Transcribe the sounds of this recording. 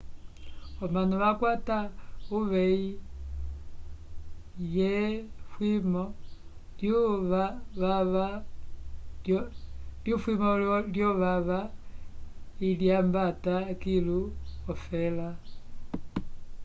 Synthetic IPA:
ɔmanɔβakwatauβɛi | jɛfwimɔ | ljuβaβaβa | ljufwimɔljɔβaβa | iljambatakiluɔfɛla

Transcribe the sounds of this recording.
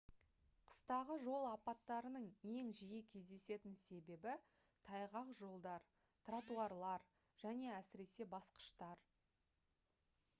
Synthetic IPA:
qʰə̥st̪ɑʁəʒo̞lˠɑpɑt̪ːɑɾənəɴe̞ŋʒijekʲʰe̞zd̪e̞se̞t̪ɪnse̞be̞bɪ | t̪ʰɑjʁɑqʒo̞lˠd̪ɑɾ | t̪rat̪uɑɾlˠɑɾ | ʒ̥æne̞æsɪɾe̞se̞bɑsqə̥ʃt̪ɑɾ

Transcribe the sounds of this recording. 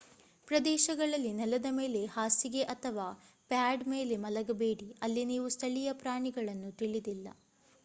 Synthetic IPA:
pɾɐd̪ɛːʃɐɡɐɭɐlːinɛlɐd̪ɐme̞ːle̞haːsiɡe̞ʔɐt̪ʰɐʋaː | pjaːɖme̞ːle̞mɐlɐɡɐbe̞ːɽiɐlːiniːʋust̪ʰɐɭijɐpɾaːɳiɡɐɭɐnːut̪iɭid̪ilːɐ̰

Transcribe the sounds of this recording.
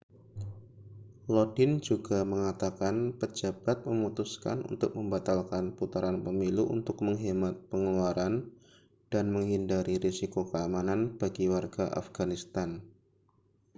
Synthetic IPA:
lɔdɪnd͡ʒuɡaməŋat̪akanpəd͡ʒab̥at̪̚məmut̪uska̰nṵnt̪ʊk̚məmbat̪alkanput̪aɾanpəmiluʔṵnt̪ʊkməŋɦimat̪̚pəŋluaɾʔan | d̥anməŋɦindaɾiɾisikokəamananb̥aɡiwarɡaʔa̰fɡ̥anist̪an

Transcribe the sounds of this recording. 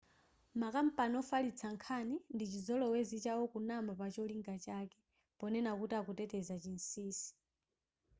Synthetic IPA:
makam̩panɔfalit͡sʰaŋkʰanindit͡ʃizɔlɔwɛzit͡ʃaɔkunamapat͡ʃɔliŋɡat͡ʃakɛ | pɔnɛnakutakutɛtɛzat͡ʃin̩siːsi̥

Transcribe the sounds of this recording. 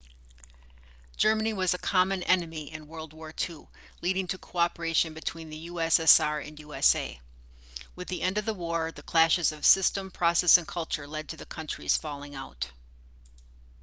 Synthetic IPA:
d̥ʒ̥ɜ˞mɨniwʌzɨkʰɑmɨ̃nɛnɨmiʔɨ̃nwɜ˞lˠd̚wɔɹtʰu | liɾɪ̃ŋtʰɨkʰoɑpə˞eɪʃɨ̃nbɨtʰw̥ĩnðɨjuɛsɛsɑɹɨ̰̃njʉɛseɪ | wɨðiʔɛ̃ndʌvðəwɔɹðɨkʰl̥æʃɨzʌv̥sɪstə̃mpʰɹ̥ɑsɛsɨ̃nkʰʌlˠt͡ʃə˞lɛd̚tʰɨðɨkʰʌ̃nt͡ʃɹ̥iz̥fɑlˠɪ̃ŋaʊt

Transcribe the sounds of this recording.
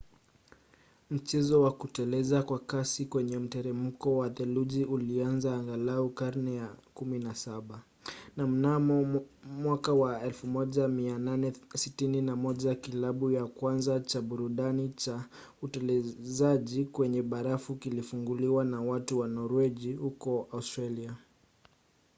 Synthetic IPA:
m̩t͡ʃɛzɔwakutɛlɛzakwakasikwɛɲɛm̩tɛɾɛm̩kɔwaðɛluʄiulianzaːŋɡalaukaɾnɛjakuminasaɓa | nam̩namɔmwakawaɛlfumɔʄamiananɛsitininamɔʄakilaɓujakwanzat͡ʃaɓuɾuɗanit͡ʃa | utɛlɛzaʄikwɛɲɛɓaɾafukilifuŋɡuliwanawatuwanɔɾwɛʄihukɔaustɾalia

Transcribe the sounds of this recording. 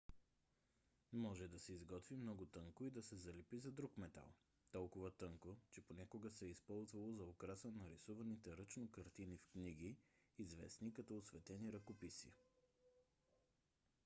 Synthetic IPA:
mɔʒɛd̪ɐsɛizɡɔt̪vimnɔɡot̪ɤŋkoid̪ɐsɛzɐlɛpizɐd̪ɾukmɛt̪a̰lˠ | t̪ɔlˠkʊvət̪ɤŋkot͡ʃɛponʲakʊɡəsɛispɔlˠzvɐlˠozɐokɾasənɐɾisuvɐnit̪ɛɾɤt͡ʃnokɐɾt̪inifkniɡiːzvɛ̰snikɐt̪ɔosvɛt̪ɛniɾɐkopisḭə

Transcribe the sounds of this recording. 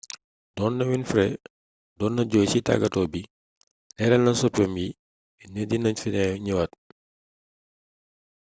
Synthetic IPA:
dɔːnːɐwinfɾɛ | dɔːnːɐɟɔːjsita̰ɡɐtɔːbi | lɛɾɛlnɐnsɔpjɔmji | ɛnɛdinɐɲfinɛjɲəwɐt̚

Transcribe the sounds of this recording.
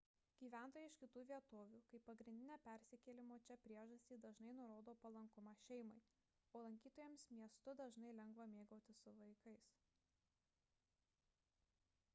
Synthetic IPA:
ɡʲiːʋʲæˑnt̪oːjɛɪʃkʲɪt̪uːʋʲiɛt̪oːʋʲuːkɐɪpːɐɡɾʲɪnd̪ʲɪnʲeːpʲæɾʲsʲɪkʲɛlʲɪmoːt͡ʃʲɛpʲɾʲiɛʒɐsʲt̪ʲiːd̪ɐʒnɐɪnʊɾoːd̪oːpɐlˠɐŋkʊmɑʃʲɛɪmɐɪ | oːlˠɐŋʲkʲiːt̪oːjɛmsmʲiɛst̪ʊd̪ɐʒnɐɪlʲɛŋɡʋɐmʲeːɡoːt̪ʲɪsʊʋɐɪkɐɪs

